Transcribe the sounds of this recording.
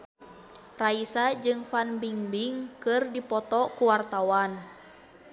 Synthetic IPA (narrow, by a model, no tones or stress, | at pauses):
raisad͡ʒɨŋfanbiŋbiŋkɨrdipɔt̪ɔkuwart̪awan